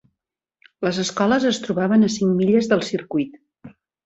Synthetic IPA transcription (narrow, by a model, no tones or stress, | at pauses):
ləzəskɔləzəst̪ɾuβaβənəsiŋmiʎəzðəlˠsiɾkujt̪